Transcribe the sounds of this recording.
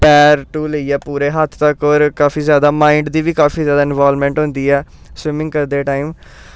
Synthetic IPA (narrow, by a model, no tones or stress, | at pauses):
pɛːɾʈuːləiːɛːpuːɾeːɦət̪ʰt̪əkɔːɾkaːfiːzjaːd̪aːmãːɪɳɖd̪iːʋiːkaːfiːzjaːd̪aːɪnʋaːlmɛ̃ːɳʈɦõːnd̪iːɛː | swɪmɪ̃ŋkəɾd̪eːʈaːiːm